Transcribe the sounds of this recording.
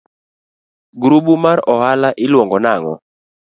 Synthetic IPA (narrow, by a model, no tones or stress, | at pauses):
ɡɾubumaɾɔhalaʔɪlwɔŋɡɔnaŋɔ̰